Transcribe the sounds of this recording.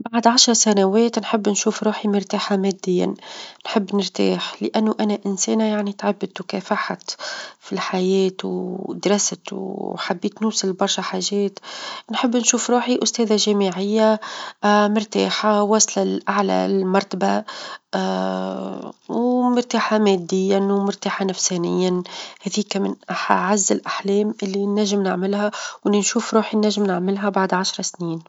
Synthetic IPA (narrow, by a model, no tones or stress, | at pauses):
baʕd̪ʕaʃɾˤɑsænæwɛːt̪nħɪbːnʃuːfɾˤuːħimɪɾt̪aːħamæd̪ːɪjːa̰nħɪbːnɪɾt̪a̰ːħlɪʔænːuʔænæʔɪnsɛːnajaʕnit̪ʕabːɪd̪wkɛːfaħt̪filħajɛːt̪wd̪ɾˤɑst̪wħabːiːt̪nʊːsɪlbɑɾˤʃaħaʒɛːt̪nħɪbːnʃuːfɾuːħiʔʊst̪ɛːðaʒæmiʕɪjːa | mɪɾt̪a̰ːħawɑsˤlalʔaʕla̰lmɑɾˤt̪aba | wmɪɾt̪aːħameːd̪ːɪjːanwmʊɾt̪aːħanafsænɪjːahæðiːkamɪnʔaħaʕazːɪlʔaħleːmʔɪlːinːæʒːɪmnɪʕmɪlhawnɪnʃuːfɾˤuːħinːæʒːɪmnɪʕmɪlɦabaʕd̪ʕaʃɾˤɑsniːn